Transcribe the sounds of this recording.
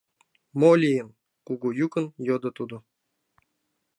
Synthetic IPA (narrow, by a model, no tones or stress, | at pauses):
molʲijəm | kuɡujukənjod̪ɤ̆t̪ud̪ŏ